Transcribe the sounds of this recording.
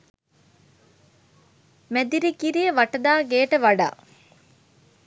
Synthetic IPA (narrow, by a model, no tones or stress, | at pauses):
mɛd̪iɾikiɾijəʋɐʈɐd̪aːɡeːʈəʋɐɖa̰ː